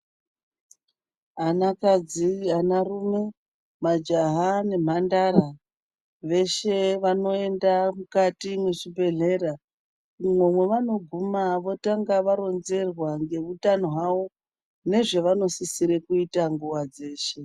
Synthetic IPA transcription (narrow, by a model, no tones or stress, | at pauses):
anakad͡ziɦanarume̞ | mad͡ʒaɦane̞m̤andaɾa | ʋe̞ʃe̞ʋano̞e̞ndamukatimweʐibʱe̞ɮe̞ɾa | mwomwe̞ʋano̞ɡʱumaʋo̞taŋɡaʋaɾo̞nze̞rwaŋɡe̞ʋutanoɦawo̞ | ne̞ʐe̞ʋano̞sisiɾe̞kuitaŋɡuwad͡ze̞ːʃe̞